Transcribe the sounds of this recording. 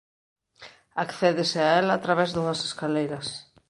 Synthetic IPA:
akθɛðesɪaɛlaːt̪ɾaβɛzðuŋɐse̥skalejɾɐs

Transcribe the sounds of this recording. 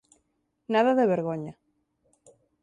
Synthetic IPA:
naðaðeβeɾɣoɲa

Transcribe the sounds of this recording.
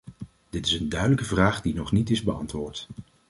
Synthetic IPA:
d̥ɪtɪsəndœɥdələkəvraːχdinɔχnitɪzbəɑ̰ntʋʊːɹt

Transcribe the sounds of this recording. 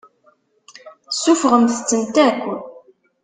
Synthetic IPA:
sufʁəmθə̥t͡sːənt̪ækʷːə

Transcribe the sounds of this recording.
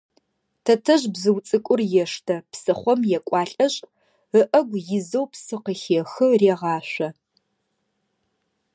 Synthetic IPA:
tʰɐtʰɐʑbzɨwt͡sʼɨkʷʼʊrjɛʂtʰɐpsɨχʷɔmjɛkʷʼɑːɬʼɐɕʼ | əʔɐɡʷjɪzɐwpsɨqəxeːxɨreːʁɑːɕʷɐ

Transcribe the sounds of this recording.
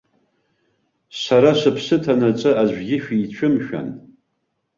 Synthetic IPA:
sʷaɾaʃʷɨpʰsɨtʰanat͡ʃʷʼɨaʒʷᶣɡʲɪʃᶣiːt͡ɕʷʰɨmʃᶣa̰n

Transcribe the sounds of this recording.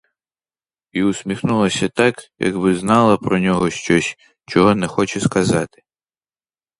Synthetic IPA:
iʊsʲmʲixnulˠɐsʲɐt̪ɑkjɐ̰ɡbɪznɑlˠɐpɾɔnʲɔɦɔʃt͡ʃɔsʲ | t͡ʃɔɦɔnɛxɔt͡ʃɛskɐzɑt̪ɪ̥

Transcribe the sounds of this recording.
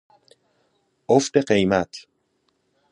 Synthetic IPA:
oft̪eɢejmæt̪ʰ

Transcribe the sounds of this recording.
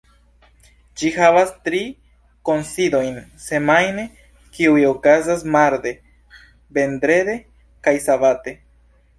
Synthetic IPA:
d͡ʒihavastɾi | ko̞nsido̞jnse̞majne̞ | kiujo̞kazas̬maɾde̞ | be̞nd̪ɾe̞de̞ | kajsavate̞

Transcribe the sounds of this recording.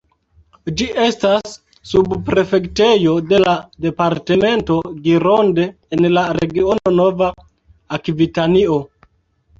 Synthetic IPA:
d͡ʒiʔe̞stasː | ubpɾe̞fe̞kte̞jo̞de̞lade̞paɾte̞me̞nto̞ɡiɾonde̞ːnlaɾeɡio̞nonova | akvitanio̞

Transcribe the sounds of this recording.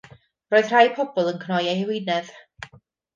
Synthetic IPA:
roːɨð̥r̥ajpʰɔbɔlˠənkʰnɔjahɪwɪnɛð

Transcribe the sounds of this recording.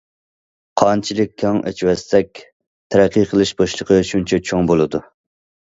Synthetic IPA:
qʰɑnt͡ʃʰilˠɪk̚ʲʰːɑŋʔɛ̰t͡ʃʰwɛsːɛk̚ʲ | t̪ʰæɾɛqːiqʰəlˠɨʃbɑʃlˠəqʰəʃunt͡ʃʰɛt͡ʃʰoŋbolˠɨd̪u

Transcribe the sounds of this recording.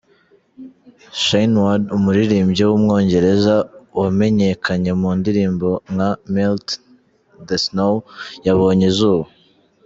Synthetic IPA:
ʃajnwadumuɾiɾiːmbɟewumŋo̞ːɲɟe̞ɾe̞zawame̞ɲe̞kʰaɲe̞muːndiɾiːmbo̞ŋhamilt | desnowjaβo̞ːɲezuːβo

